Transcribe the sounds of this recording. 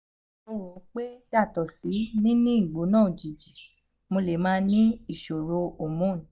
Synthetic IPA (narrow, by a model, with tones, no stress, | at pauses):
o˧wo˨˦k͡pe˦d͡ʒa˦˨tɔ˨si˨˦nĩ˦nĩ˦i˦˨ɡ͡bo˨˦nãː˦˨d͡ʒi˨d͡ʒi˨ | mo˧le˨mãː˦nĩ˦i˨ʃo˨ɾo˧o˨mũ˨˦˨